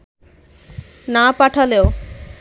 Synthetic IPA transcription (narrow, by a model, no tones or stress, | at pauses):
napaʈʰaleo